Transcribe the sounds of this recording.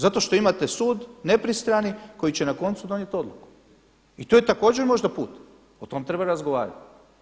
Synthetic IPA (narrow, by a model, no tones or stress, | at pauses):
zat̪o̞ʃt̪o̞imat̪esuːd̪ne̞pɾist̪ɾaniko̞jit͡ɕenako̞nt̪sud̪o̞njet̪o̞d̪luku̥ | it̪ojet̪ako̞ːd͡ʑeɾmo̞ʒd̪apṵːt̪ | ot̪o̞met̪ɾe̞baɾazɡoʋaːɾa̰t̪